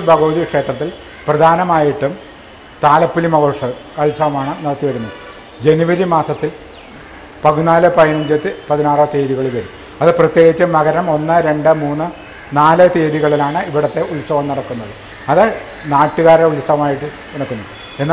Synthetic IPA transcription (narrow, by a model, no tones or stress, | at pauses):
bʱɐɣɐʋd̪iɐkʂe̞ːt̪rɐt̪ːil | prɐd̪ʱaːnɐmaːjiʈːum | t̪aːlɐpːilimɐɣoːʂɐkɐɭsɐʋɐmaːɳɨnɐɽɐt̪ːiʋɐɾunːuɨ | d͡ʑe̞nuʋɐɾimaːsɐt̪ːil | pɐɡunaːlɐpɐjɐɳɐɲd͡ʑɐt̪ːɨpɐðinaːrɐt̪eːðiɣɐɭilʋɐɾum | ɐðɨprɐt̪je̞ːɡit͡ɕːɐmɐɣɐɾɐmo̞nːɨɾe̞ɳɖɨmuːnːɨ | naːlɨt̪eːðiɣɐɭilaːɳɨiʋiɽɐt̪ːe̞uɭsɐʋɐmnɐɽɐkːunːɐðɨ | ɐðɨ | naːʈːuɣaːɾɐulsɐʋɐmaːjiʈːɨ | uɳɐkːunːu | e̞nːaː